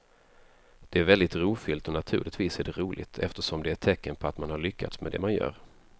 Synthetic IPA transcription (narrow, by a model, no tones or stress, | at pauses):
d̪̥ɛæɾvɛld̪ɪt̪ɾuːfʏlt̪ɔnat̪ʰʉ̟ːlɪt̪viːsæɖɛɾuːlʔɪ̰t̪ʰɛft̪əʂɔmd̪ɛæʈʰɛkːənpʰɔat̪manhaɾɭʏkʰːa̰t̪smɛ̰d̪ɛ̰manjœ̰ːɾ